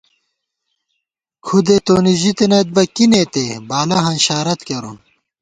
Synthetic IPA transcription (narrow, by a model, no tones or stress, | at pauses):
kʰud̪et̪oːniʑit̪enɐt̪̚bɐkinet̪ebaːlɐɦɐnɕaːɾɐt̪kɐɾun